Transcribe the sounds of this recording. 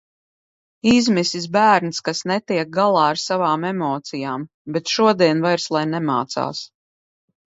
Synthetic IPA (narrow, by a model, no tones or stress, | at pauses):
izmisisbæːɾnskasnɛt̪iɛk̚ɡalˠɑːaɾsavaːmɛmɔːt̪sijaːm | bɛt̪ʃuɔd̪iɛnvajɾslˠajnɛma̰ːt̪sa̰ːs